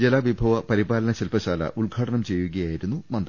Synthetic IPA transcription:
d͡ʑelaːʋibʱɐʋɐpɐɾibaːlɐnɐɕelpɐɕaːlɐ̰ʔuɭɡʱaːʈɐɳɐmt͡ɕe̞jːuɣɐjaːjiɾunːumɐnd̪rɐ

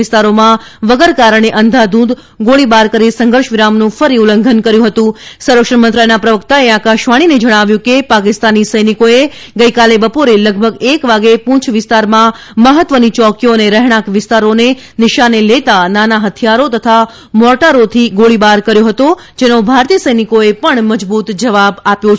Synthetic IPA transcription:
ɪst̪aɾomãʋəɡəɾkaɾəɽ̃eʔənd̪ʱad̪ũd̪ | ɡoɭibaɾkəɾisə̃ŋɡʱəɾʃʋɪɾamnũfəɾiuləŋɡʱənkəɾjũɦət̪ũsəwɾʋəkʂəmənt̪ɾajnapɾəʋəkt̪aeakaʃʋaɽ̃ined͡ʒəɽ̃aʋjũkepakɪst̪anisəjnikoe | ɡəjkalebəpoɾeləɡ̚bʱəɡekʋaɡepũt͡ʃʰʋɪst̪aɾmã | məɦət̪ːʋənit͡ʃɔkioneɾɛɦɽ̃ãkʋɪst̪aɾonenɪʃanelet̪ananaɦət̪ʰijaɾot̪ət̪ʰa | mɔʈaɾot̪ʰiɡoɭibaɾkəɾjoɦət̪o | d͡ʒenobʱaɾt̪ijəsəjnikoepəɳməd͡ʒbut̪d͡ʒəʋabapjo

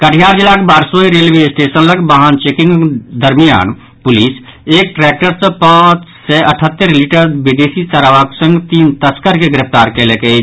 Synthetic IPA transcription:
kəʈʰijaːɾd͡ʒilaːkbaːɾsoiɾeːlʋesʈeːsənləɡbaɦant͡ʃeːkɪ̃ŋɡd̪əɾmija̰ːn | pʊliːs | eːk̚ʈɾɛːk̚ʈəɾsẽpãːt͡ʃsɛʔəʈʰət̪ːəɾliʈəɾbid̪eːsisaɾaʋaːksə̃ŋɡt̪iːnt̪əskəɾkeɡɪɾɪpt̪aːɾkeleke

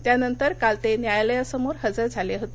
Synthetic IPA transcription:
t̪janənt̪əɾkalt̪enjajaləjasəmoɾɦəd͡zəɾd͡zʱaleɦot̪e

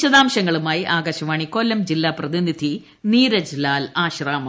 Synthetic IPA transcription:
ɕɐðaːmɕɐŋːɐɭumaːjiʔaːɡɐɕɐʋaːɳikolːɐmd͡ʑilːaːprɐðinid̪ʱi | niːɾɐd͡ʑlaːlaːɕraːmɐ

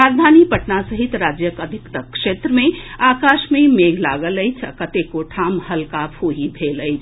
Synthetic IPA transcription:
ɾad͡ʒd̪ʱanipəʈnasəɦit̪ɾad͡ʒjəkəd̪ʱikt̪əkʂet̪ɾəmeakaʃmẽmeɡla̰ɡələjt͡ʃʰə̰kət̪ekoʈʰamhəlkapʰoɦibʱeləjt͡ʃʰ

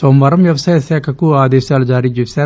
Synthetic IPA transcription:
somɐɾɐmʋjɐʋɐsaːjɐsɛːkʰɐkuaːd̪ɛːʃaːlud͡ʒaːɾiːt͡ʃeːsaː

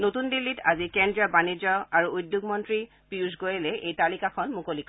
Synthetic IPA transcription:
notundilːitazikɛndɹiɔbanizɔaɹuujdjuɡmɔntɹi | piusɡojɛlɛejtalikakʰɔnmukolikʰɔ

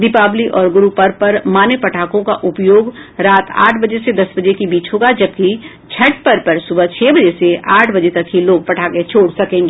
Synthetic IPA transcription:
d̪ɪpaːbliʔɔːɾɡʊɾupɐɾpɐɾmaːnepɐʈʰaːkõkaʔʊpjoːɡɾaːt̪a̰ːʈʰbɐd͡ʒesed̪ɐsbɐd͡ʒekibiːt͡ʃɦoːɡad͡ʒɐbki | t͡ʃʰɐʈpɐɾpɐɾsʊbət͡ʃʰɛːbɐd͡ʒeseaːʈʰbɐd͡ʒet̪ɐkɦiloːɡ̚pɐʈʰaːket͡ʃʰoːɽsɐkẽːŋɡeː

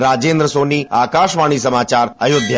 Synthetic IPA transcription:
ɾad͡ʒend̪ɾəsoniakaʃʋaɽ̃is̬əmat͡ʃaɾəjod̪ʱj

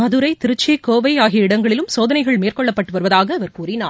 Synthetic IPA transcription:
mɐðɯɾɐɪt̪ɪɾɯt͡ʃːikoːʋɐɪaːɣɪjɐɪɽɐŋɡɐɭɪlɯmsoːðɐnɐɪɣɐɭmeːrkɔɭːɐpːɐʈːɯʋɐɾɯʋɐðaːɣɐːʋɐɾkuːɾinaː

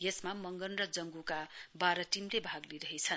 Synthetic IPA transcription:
jesmamʌŋɡʌnrʌd͡zʌŋɡukabaɾʌʈimlebʱaɡliɾʌɦet͡sʰʌn

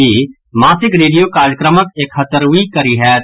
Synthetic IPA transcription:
iː | maːsɪkɾeːɖijoːkaːɾjəkɾəməkeːkʰhət̪əɾikɐɾiːɦɛː

